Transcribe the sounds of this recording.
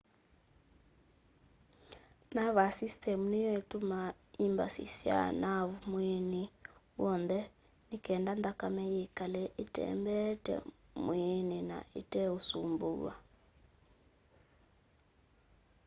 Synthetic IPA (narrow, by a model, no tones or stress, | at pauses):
naβasistɛmunijɔituma | imba̰sḭsia̰naβumwɛni | wɔnðɛ | nikɛndand̪akamɛjekalɛʔitɛ̰mbɛtɛ̰mwinina̰itɛusumbuɣa̰